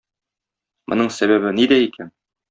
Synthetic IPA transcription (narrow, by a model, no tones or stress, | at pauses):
mʔŏ̰nɤɴsæβæβɘnid̪æikʰæn